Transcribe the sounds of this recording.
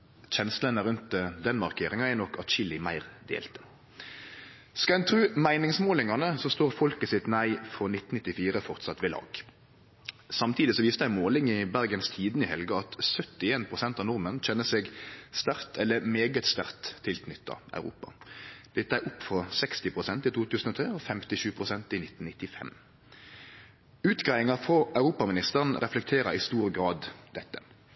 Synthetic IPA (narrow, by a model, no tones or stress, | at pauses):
çɛnslənəɾʉnt̪əd̪ɛnmɑʁkʰeːɾɪŋɑænɔkʰːɑt̪ɕɪlɪmæɪʁd̪ḛːlt̪ə̥ | skɑlæɛnt̪ʰʁʉːmæɪnɪŋsmoːlɪŋɑnəsɔst̪oːʁfɔlkəsɪt̪næɪfɾɔnɪt̪n̩nɪt̪ːɪfiːɾəfɔʁt̪sɑt̪ʋeːlɑ̰ːɡ̥ | sɑmt̪ʰiːd̪ɪsɔʋiːst̪əæmoːlɪŋɪbæʁɡənst̪ʰiːd̪nəɪhɛlɡɑɑt̪sœt̪ːɪeːnpʰʁʊsɛnt̪ɑʋnʊʁmənc͡çɛnːəseːɡst̪æʁt̪ʰɛlːəmeːɡət̪st̪æʁt̪ʰːɪlk̪nʏt̪ːɑ̰ɑ̰ʉɾṵːpɑ̰d̪̥ɛt̪ːæʊpːfʁɔsɛkst̪ɪpʰʁʊsɛnt̪ɪt̪ʰuːt̪ʉːsn̩ɔt̪ʰʁeːɔfɛmt̪ɪʃʉːpʰʁʊsɛnt̪ɪnɪt̪ːn̩ɪt̪ːɪfɛ̰m | ʉːt̪ɡʁɑɪɪŋɑfɔɑʉɾuːpɑmɪnɪst̪əʁənʁɛflɛk̚t̪ʰeːɾəɪst̪uːɾɡɾɑːd̪d̪ɛt̪ːə̥